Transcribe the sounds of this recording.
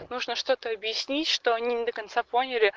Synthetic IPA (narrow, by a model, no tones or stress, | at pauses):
nuʐnəʂt̪o̞t̪əɐbjɪsʲnʲitʲʂt̪oɐnʲinʲɪd̪əkɐnt̪saponʲɪlʲɪ